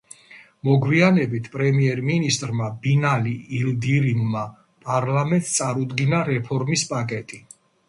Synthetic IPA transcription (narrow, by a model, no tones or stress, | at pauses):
mɔɡwianɛbit̪ʰpʼɾɛmiɛɾminist̪ʼɾmabinaliːld̪iɾimma | pʼaɾlamɛnt̪st̪sʼaɾud̪ɡinaɾɛpʰɔɾmispʼakʼɛt̪ʼi